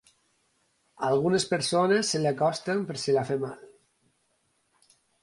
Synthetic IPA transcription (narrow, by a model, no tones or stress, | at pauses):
alɣ̞unespeɾsonesːelakɔst̪empeɾsilafemal